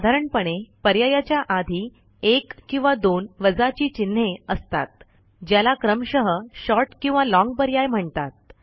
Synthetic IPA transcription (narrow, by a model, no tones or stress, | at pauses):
sad̪ʱaɾəɳpəɽ̃epəɾjajat͡ɕjaʔad̪ʱi | ekːĩw̃ʋad̪onʋəd͡zat͡ɕiːt͡ɕin̤ːeəst̪a̰t̪̚ | d͡ʑjalakɾəmɕəɦəɕɔɾʈkĩw̃ʋalɔ̃ŋɡ̚pəɾjajm̤əɳt̪at̪̚